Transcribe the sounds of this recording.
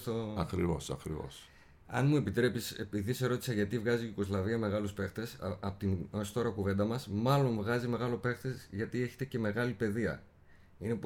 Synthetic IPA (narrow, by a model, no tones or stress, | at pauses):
t̪oɐkɾivo̞̰sɐ̰kɾḭvo̰s | ɐ̰nmue̞pit̪ɾe̞pise̞piðise̞ɾo̞t̪i̥sɐʝɐt̪ivɣɐziʝuko̞zlɐviɐme̞ɣɐluspe̞xt̪e̞sɐpot̪inost̪o̞ɾɐkuve̞nd̪ɐmɐsmɐlo̞nvɣɐzime̞ɣɐlo̞pe̞xt̪e̞zʝɐt̪ie̞çe̞̥t̪e̞ce̞me̞ɣɐlipe̞ðiɐ̰ | ine̞p